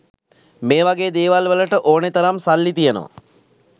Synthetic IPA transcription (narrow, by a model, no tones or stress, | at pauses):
meːʋaɡeːd̪eːʋalʋələʈəʔoːnet̪ɐɾamsalːit̪ijəno̰ʋa̰